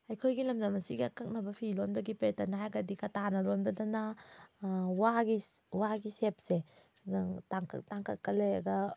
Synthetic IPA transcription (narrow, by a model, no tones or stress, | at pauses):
ɐjkʰojɡilɐmdɐmɐsiɡiɐkɐk̚nɐbɐpʰilonbɐɡipetɐnaajɡɐdikɐtanɐlonbɐdɐnɐ | waɡiwaɡisep̚se | ɡtaŋktaŋkɐkɐleɐɡɐ